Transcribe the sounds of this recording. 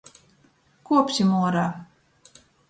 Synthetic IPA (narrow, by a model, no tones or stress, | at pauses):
kuɔpsʲimuɔɾaː